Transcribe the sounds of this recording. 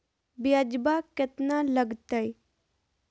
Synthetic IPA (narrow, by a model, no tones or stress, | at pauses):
bjad͡ʒbakət̪naləɡt̪əj